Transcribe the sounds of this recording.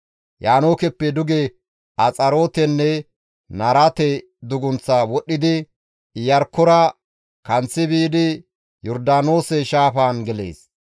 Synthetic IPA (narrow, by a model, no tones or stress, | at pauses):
jaːno̞ːkɛpːɛd̪ʊɡɛ | ɐt͡sʼɐɾo̞ːt̪ɛnːɛ | nɐɾɐt̪ɛ | d̪ʊɡʊnt͡sːawɔɗːɪd̪ɪ | jɐɾkːʊɾɐ | kɐnt͡sːɪbiːd̪ɪ | jɔɾd̪aːno̞ːsɛʃaːfaːnɡɛlḛːs